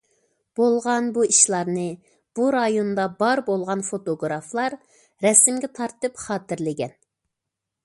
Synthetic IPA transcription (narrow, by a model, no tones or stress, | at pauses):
b̥olˠʁɑnbuiʃlˠɑɾnɨ | b̥uɾɑjond̪ɑbɑɾbolˠʁɑnfot̪oɡɾɑflˠɑɾ | ɾɛsɪmɡʲɛt̪ʰɑɾt̪ɨpχɑːt̪ɪɾlɪɡʲɛn